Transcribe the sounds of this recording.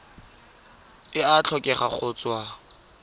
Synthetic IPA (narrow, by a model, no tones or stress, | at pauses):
ɪat͡ɬʰɔkʼɛχa̰χʰʊt͡swa